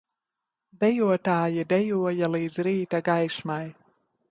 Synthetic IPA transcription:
d̪ɛjuɔt̪aːjid̪ɛjuɔjaliːd̪zɾiːt̪aɡajsmaj

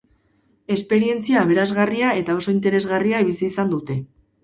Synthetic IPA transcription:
e̞spe̞ɾie̞nt͡siaːβ̞e̞ɾazɣariae̞t̪ao̞so̞int̪e̞ɾe̞zɣariaiβisiːsand̪ut̪e̞

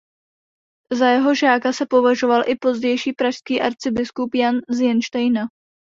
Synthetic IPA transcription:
zajɛɦo̞ʒaːkasɛpo̞vaʒo̞valʔɪpo̞zɟɛjʃiːpɾaʃskiːʔaɾt͡sɪbɪskupjanzjɛnʃt̪ɛjna

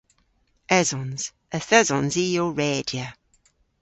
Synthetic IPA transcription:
ɛzɔnz̥ | əθɛzɔnziːoɹɛːdjə

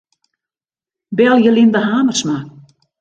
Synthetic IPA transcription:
bɛlˠjəlind̪əɦaːmərsma

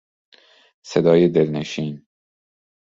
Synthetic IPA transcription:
sed̪ɒːjed̪elneʃiːn

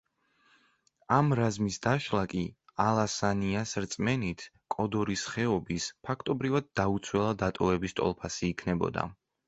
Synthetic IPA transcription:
amɾazmisd̪aʃlˠakʼialˠasaniasɾt̪sʼmɛnit̪ʰ | kʼɔd̪ɔɾisχɛɔbispʰakʰt̪ʼɔbɾivad̪̚ːaut̪sʰwɛlˠad̪at̪ʼɔvɛbist̪ʼɔ̰lˠpʰasiːkʰnɛbɔ̰d̪a̰

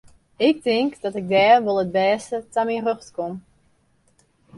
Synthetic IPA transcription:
ɪk̚tɪŋkdɔtɪɡ̚dɛːrʋolˠət̚bɛːstətaminrøxtkom

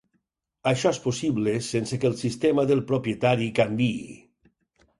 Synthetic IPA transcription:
aʃɔɛsposiβlesensekelˠsist̪emaðelˠpɾopjet̪aɾikambḭː

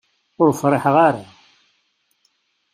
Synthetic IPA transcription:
ʊɾfɾˤɪħʁaɾa

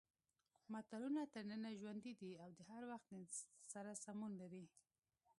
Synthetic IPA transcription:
mat̪alunat̪əɾnənaʒwand̪id̪iawd̪əhaɾwaxt̪saɾasamunlaɾi

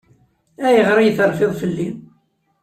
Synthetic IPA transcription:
æjəʁɾijθəɾfɪðˤfəlːin

